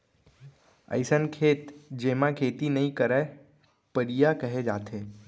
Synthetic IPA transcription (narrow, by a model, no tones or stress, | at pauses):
ə̰ɪsənkʰeːt̪d͡ʒemãkʰeːt̪inəĩkəɾa | pəɾijakəɦed͡ʒaːt̪ʰe